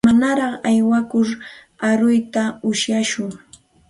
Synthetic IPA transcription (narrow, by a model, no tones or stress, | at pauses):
manaɾɑχajwakʊɾ | aɾʊjt̪aʊʃjaʃʊŋ